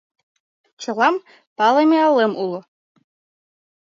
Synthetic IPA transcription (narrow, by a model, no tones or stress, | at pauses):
t͡ɕɤ̆lˠɑm | pɑlˠemʲeɑlːemʔulˠɤ̆